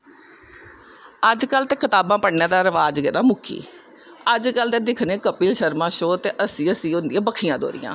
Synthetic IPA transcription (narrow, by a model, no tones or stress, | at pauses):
əd͡ʒkəlt̪eːkɪt̪aːbãːpəɽnẽːd̪aːɾəʋaːd͡ʒɡɛːd̪ãːmʊkʰḭː | əd͡ʒkəlt̪eːd̪ɪkʰnẽːkəpiːlʃəɾmãːʃoːt̪eːʔəsĩːəsĩːʊ̃nd̪ɪjãːbəkʰɪjãːd̪o̰ːɾɪ̰jã̰ː